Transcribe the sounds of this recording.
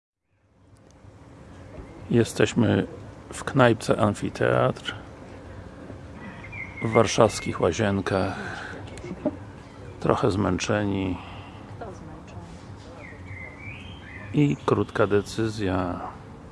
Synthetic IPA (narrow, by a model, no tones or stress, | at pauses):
jɛst̪ɛɕmɘfknajp̚t̪sɛ̰ʔanfʲit̪ʰɛ̰a̰t̪ɾ | vːaɾʂafskʲixwaʑɛŋkax | t̪ɾɔ̰xɛzmɛnt͡ʂɛɲi | ikɾut̪kad̪ɛt̪sɘzʲja